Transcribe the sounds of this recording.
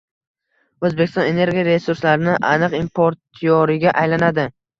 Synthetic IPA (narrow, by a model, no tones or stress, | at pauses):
ɵzbekʲɪst̪ɒ̃ne̞ne̞ɾɡʲijaɾe̞suɾslaɾɪnɪʔanɨqimpʰoɾt̪ʰijɒɾɪɡʲaʔajlanad̪ɪ